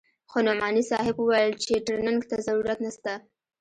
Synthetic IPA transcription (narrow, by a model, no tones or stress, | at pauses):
xonomɑnisɑɦɪbuwajlt͡ʃeʈəɾnaŋɡt̪azaɾuɾat̪nast̪a